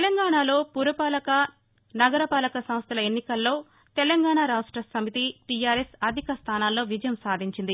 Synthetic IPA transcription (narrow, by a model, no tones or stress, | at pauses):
t̪lɐŋɡaːɳaːlo̞ːpuɾɐpaːlɐkɐ | nɐɡɐɾɐpaːlɐkɐsɐmst̪ʰɐlɐenːikɐlːo̞ː | t̪ɛlɐŋɡaːɳaːɾaːʂʈɾɐsɐmit̪iʈijaːɾesɐd̪ʱikɐst̪ʰaːnaːlːo̞ːʋid͡ʒɐjɐmsaːd̪ʱiɲt͡ʃind̪i